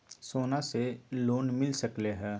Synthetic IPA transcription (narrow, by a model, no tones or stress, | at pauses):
soːnaseloːnmɪlsəkleɦɛː